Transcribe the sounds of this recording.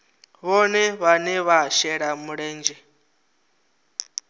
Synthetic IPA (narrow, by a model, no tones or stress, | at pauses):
βɔnɛβanɛβaʃɛɺamuɺɛːnd͡ʒɛ